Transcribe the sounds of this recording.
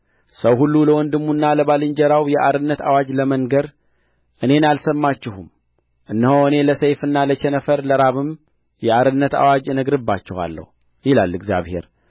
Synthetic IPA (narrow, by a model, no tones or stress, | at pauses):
səwɦulːuləwɔnd̪ɨmːunːaləβalɨɲd͡ʒəɾawjɛʔaɾɨnːət̪ʰa̰wad͡ʒləməŋɡəɾ | ʔɨne̞nalsəmːat͡ʃːɪhum | ʔɨnːəhoɨne̞ləsejfɨnːalət͡ʃɛnəfəɾləɾaβɨm | jɛaɾɨnːət̪a̰wad͡ʒnəɡɾɨbːat͡ʃːɛwa̰lːə̰hu | jilalːɨɡzja̰βhe̞̰ɾ